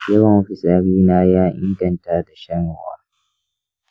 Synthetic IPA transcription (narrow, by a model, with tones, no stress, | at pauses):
jɐ˦wɐ˨mɸɪ˨sʼaː˦ɽiː˦naː˦jaː˦ʔɪ̰˦ŋɡɐ˨ntaː˦da˨ʃɐ˦ŋ˨wa̰ː˦